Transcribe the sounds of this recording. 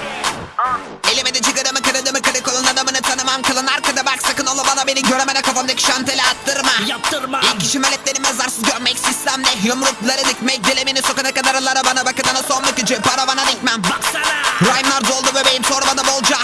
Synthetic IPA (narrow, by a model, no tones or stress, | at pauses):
elʲimed̪ɛt͡ʃʰik̪ad̪amɯkad̪ad̪ɯmɯkad̪ikolˠunˠanamɯnɯt̪ʰanɯmamkʰalˠɯnaɾkad̪abaksakɯnolˠabalˠabeniɟøɾemenɛkʰafand̪acʰi̥ʃant̪ʰelʲɛat̪ːɯɾmajt̪ːɯɾmaicʰiʃimalʲːɛt̪lʲeɾimiazaɾsɯzɟøɾmɛcsist̪ʰæmlʲɛɦomɾuk̚lˠaɾɯnɛcmɛc̚ɟelʲemeniso̞kanakad̪aɾalˠaɾabanabakɯd̪anasonːukid͡ʒɛpaɾavanad̪ɛc̚ʲmæm | ɾajmlˠaɾd̪olˠd̪ubøbejimsoɾmad̪abolˠd͡ʒa